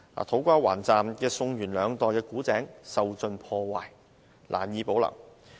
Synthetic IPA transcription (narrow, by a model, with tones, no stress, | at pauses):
a̰ː˨˩t̪ʰo˨˥wkʷaː˧˥wa̰ː˨˩nt͡saː˨mkɛː˧sʊ˧ŋjyː˨˩nlœː˨˧ŋt̪ɔː˨jkɛː˧kuː˨˥t͡sɛː˨˥ŋsɐ˨wt͡sɵ˨npʰɔː˧waː˨j | lʔa̰ː˨˩mjiː˨˧po˨˥wlɐ̰˨˩ŋ